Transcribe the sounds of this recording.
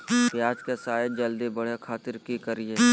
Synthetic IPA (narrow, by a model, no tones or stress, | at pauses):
pjaːd͡ʒkesaːjed͡ʒɐld̪ibɐɽ̤ekʰaːt̪ɪɾkikəɾieː